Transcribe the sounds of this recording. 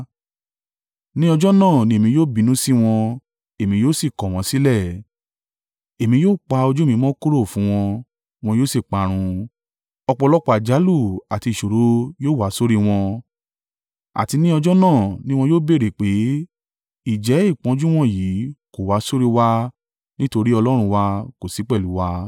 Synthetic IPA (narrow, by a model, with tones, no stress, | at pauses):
nĩ˦ɔ˧d͡ʒɔ˦nãː˦˨nĩ˦e˨mĩ˧joː˦˨bi˨˧nũ˦si˦w̃ɔ̃˧ | e˨mĩ˧joː˦si˦˨kɔ̃˨w̃ɔ̃˧si˦lɛ˦˨ | e˨mĩ˧joː˦k͡pa˧o˧d͡ʒu˦mĩ˧˦mɔ̃˦ko˦ɾo˦˨fũ˨˦w̃ɔ̃˧ | w̃ɔ̃˧joː˦˨si˦˨k͡pa˨˦ɾ̃ũ˧ | ɔ˧k͡pɔ˧lɔ˦k͡pɔ˦a˨d͡ʒa˨˦lu˦˨a˨ti˧˨ʃo˨ɾo˨˦joː˦˨wa˨˦so˦ɾi˦w̃ɔ̃˧ | a̰˨ti˧nĩ˦ɔ˧d͡ʒɔ˦nãː˦˨nĩ˦w̃ɔ̃˧joː˦be˦˨ɾe˨k͡pe˨˦ | i˦˨d͡ʒɛ˨˦i˦˨k͡pɔ̃˨˦d͡ʒu˦w̃ɔ̃˦jiː˨˦ko˦˨wa˨˦so˦ɾi˦wa˦ | nĩ˦to˧ɾi˦ɔ˧lɔ˦ɾ̃ũ˧wa˧ko˨si˨˦k͡pɛ˦˨lu˨˦wa˧